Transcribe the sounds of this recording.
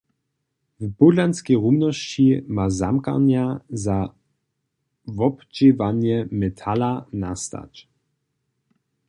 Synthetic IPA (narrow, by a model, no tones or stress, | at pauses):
vbudlanskɛjʁumnɔɕt͡ɕimazamka̰ɲjaza | vɔpt͡ʃevaɲjɛmɛt̪ʰalanast̪a̰t͡ɕ